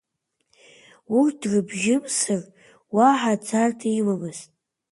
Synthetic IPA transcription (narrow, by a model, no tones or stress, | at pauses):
wurd̥rɨbʒɪmsɨr | waħat͡sʰartʰiwamɨstʼ